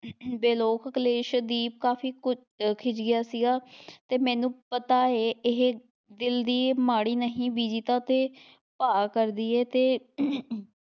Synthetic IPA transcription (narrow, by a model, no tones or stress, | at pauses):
beːloːkəkleːʃd̪iːp̚kaːfʰiːkʊ | kʰɪd͡ʒɡɪjaːsiɡaːt̪eːmɛ̃ːnũːpət̪aːeːʔɪɦe | d̪ɪld̪iːmaːɽiːnəɦĩːbiːd͡ʒiːt̪ãːt̪eː | paːkəɾd̪iːɛːt̪eː